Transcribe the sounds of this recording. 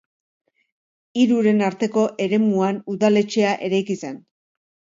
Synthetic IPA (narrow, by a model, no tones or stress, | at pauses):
iɾuɾe̞naɾt̪e̞ko̞ʔe̞ɾe̞muanuðale̞t͡ʃe̞aʔe̞ɾajkise̞n